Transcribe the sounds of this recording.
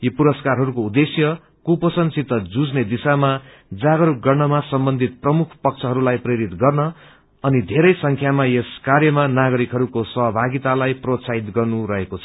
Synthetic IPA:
jopuɾʌskarɦʌɾukoud̪esjʌ | kupʌsʌnsit̪ːʌd͡zud͡zned̪isama | d͡zaɡʌɾuɡʌrnʌmasʌmbʌnd̪ʱit̪̚prʌmukʰpʌk̚t͡sʰʌɦʌɾulajpreɾit̪ɡʌrnʌː | nid̪ʱeɾʌjsʌŋkʰjamajeskarjʌmanaɡʌɾikɦʌɾukosʌɦʌbʱaɡit̪alajprot̪saɦit̪ɡʌrnuɾʌɦekot͡sʰʌ̥

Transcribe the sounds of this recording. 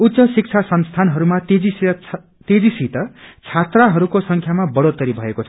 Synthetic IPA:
ut̪sʌsik̚t͡sʰasʌnst̪ʰanɦʌɾumat̪ed͡zi | t̪ed͡zisit̪ʌt͡sʰat̪raɦʌɾukosʌŋkʰjamabʌɽot̪ʌɾibʱʌekot͡sʰʌ

